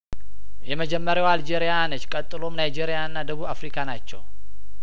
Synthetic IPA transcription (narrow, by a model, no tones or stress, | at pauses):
jɛməd͡ʒɛmːəɾjawald͡ʒeɾijanət͡ʃːkʼət̪ʼːɨlo̞mnajd͡ʒeɾijaɨnːad̪əβuβafɾikʰanat͡ʃːɛw